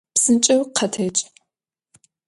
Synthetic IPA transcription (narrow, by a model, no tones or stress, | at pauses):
psɨnt͡ʃʼɐwqʰɐtʰeːt͡ʃʼ